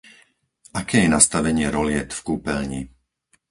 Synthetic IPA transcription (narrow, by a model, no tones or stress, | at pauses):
ʔakɛːjɛnast̪aʋɛɲɪɛɾɔlɪɛt̪fkuːpɛlɲi